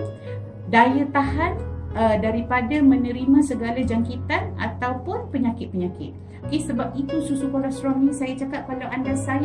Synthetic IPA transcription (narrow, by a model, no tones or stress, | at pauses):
dajat̪aɦanədaɾipadamə̃nə̃ɾimãsəɡalad͡ʒaŋkit̪ana̰t̪awpʊnpəɲakɪt̪̚pəɲakɪ̰t̪̚ | okesəbap̚it̪ususukɔɾast̪ɾɔhnĩsajat͡ʃakat̪̚kalawʔandasaj